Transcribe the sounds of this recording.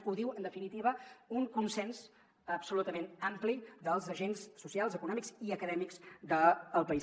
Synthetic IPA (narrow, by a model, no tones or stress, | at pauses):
uðiwənd̪əfinit̪iβəuŋkunsɛns | əpsulut̪əmẽnamplid̪əlˠzəʒensːusialˠzəkunɔmikziəkəðɛmikzd̪əːlˠpəi